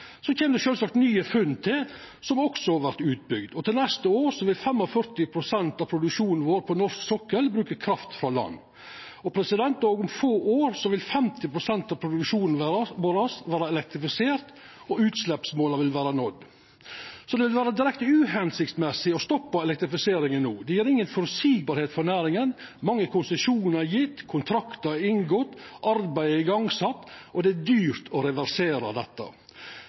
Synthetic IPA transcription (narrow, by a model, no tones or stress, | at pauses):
sɔc͡çeːməd̪ɛʃøːlsɑkt̪nyːəfʉnːt̪ʰɪl | sɔmɔksɔhɑʋæɾt̪ʉːt̪̚bʏɡd̪ɔt̪ʰɪlnɛst̪əoːɾsɔʋɪlfɛmːɔfœɾt̪ɪpʰɾʊsɛnt̪ɑpʰɾʊd̪ʉkʃuːnn̩ʋoːɾpʰɔnɔɾʂksɔkːəlbɾʉːkəkʰɾɑft̪fɾɑlɑ̰nː | ɔpʰɾɛsɪd̪ɛnt̪ɔːɡʊmfoːʔoːɾsɔʋɪlfɛmt̪ɪpʰɾʊsɛnt̪ɑʋpʰɾʊd̪ʉkʃuːnn̩ʋoːɾɑsʋæːɾɑɛlɛk̚t̪ɾɪfɪseːɾt̪ | ɔʉːt̪slɛpsmoːlɑʋɪlʋæːɾɑnɔd̪ | sɔd̪ɛʋɪlʋæːɾəd̪ɪɾɛkt̪əʉːhɛnsɪkt̪mɛsɪɔst̪ɔpːɑɛlɛk̚t̪ɾɪfɪseːɾɪŋənːuːd̪ɛjiːɾɪŋːənfɔɾsiːɡ̚bɑːɾheːt̪fɔnæːɾɪŋən | mɑŋːəkʰʊnsəsuːnəæjɪt̪ːkʰʊnt̪ʰɾɑkt̪əɪŋɡɔt̪ːʔɑɾbæɪɪɡɑŋsɑt̪ːɔd̪ɛæd̪yːɾt̪ʰɔɾɛʋæɾseːɾɑ̰d̪ɛt̪ːə̰